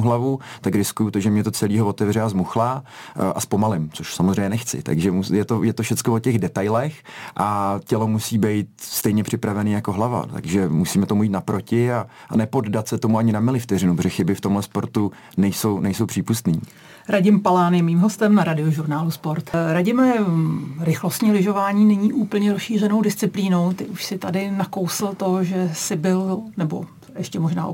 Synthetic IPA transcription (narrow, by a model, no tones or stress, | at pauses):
ɦlavut̪akɾɪskujut̪oʒɛmɲɛt̪ot͡sɛliːɦovo̞t̪ɛvrɛazmuxlaʔaspo̞malɪmt͡soʃsamozrɛjɲɛnɛxt͡sɪ̰t̪a̰ɡʒɛmujɛt̪ojɛt̪ofʃɛt͡skovocɛɣdɛt̪ajlɛxʔacɛlo̞musiːbɛjt̪̚st̪ɛjɲɛpr̝̥ɪpɾavɛniːjakoɦlava̰t̪a̰ɡʒɛmusiːmɛt̪o̞mujit̪napɾo̞cɪa | anɛpo̞ddat̪sɛt̪o̞muaɲɪnamɪlɪft̪ɛrɪnupɾoʒɛxɪbɪft̪omɦlɛspo̞ɾt̪u | nɛjso̞wnɛjso̞wpr̥iːpust̪niː | ɾaɟɪmpalaːnjɛmiːmɦo̞st̪ɛmnaɾadɪo̞ʒuɾnaːluspo̞ɾt̪ɾaɟɪmɛ | ɾɪxlost̪ɲiːlɪʒo̞vaːɲiːnɛɲiːʔuːpl̩ɲɛɾosʃiːr̝ɛno̞wdɪst͡sɪpliːno̞wt̪ɪʔuʃsɪt̪adɪnakowsl̩t̪o̞ʒɛsɪbɪlnɛbo̞̰ | ʔɛʃcɛmoʒna̰ː